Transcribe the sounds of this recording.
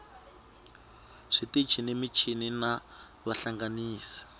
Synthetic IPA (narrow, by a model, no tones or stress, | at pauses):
ʂitit͡ʃʰinemit͡ʃʰinina | βaɬaŋɡaniːsḁ